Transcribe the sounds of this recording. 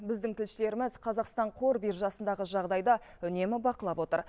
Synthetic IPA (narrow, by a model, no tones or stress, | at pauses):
bɪzd̪ɪŋt̪ʰɪlʃɪle̞ɾɪmɪzqʰɑzɑqst̪ɑɴqʰo̞ɾbiɾʒɑsənd̪ɑʁəʒɑʁd̪ɑjd̪ɑ | ʏne̞mɪbɑqəlˠɑpwo̞t̪ə̰ɾ